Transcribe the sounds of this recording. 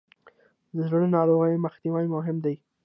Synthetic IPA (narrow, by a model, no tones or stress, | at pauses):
d̪əzɽəɽnɑɾoɣəjməxt̪iwajmʊɦɪmd̪aj